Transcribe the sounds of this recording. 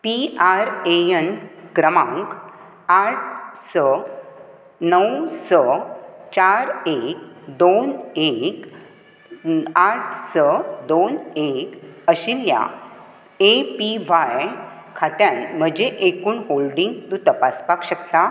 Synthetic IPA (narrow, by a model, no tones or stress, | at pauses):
piaɾeənkɾəmãŋk | aʈ̚ʰsə | nəwsət͡ɕaɾek̚d̪onek | aʈʰsəd̪onekəɕilja̰ | epiʋajkʰat̪janm̤əd͡ʑeʔekuːɳholɖiŋɡt̪ũt̪əpaspakɕəkt̪a